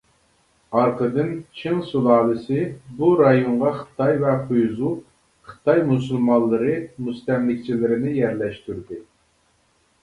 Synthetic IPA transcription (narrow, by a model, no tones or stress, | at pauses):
ɑɾqəd̪ɨnt͡ʃʰɪŋsulˠɑːlˠɨsɨbuɾɑjoɴʁɑχəɨ̥t̪ɑjvɛqʰujzu | χɨ̥t̪ɑjmusulˠmɑllˠːəɾɨmust̪ɛmlɪkʲt͡ʃʰilɪɾɪnɪjæɾlɛʃt̪yɾd̪ɪ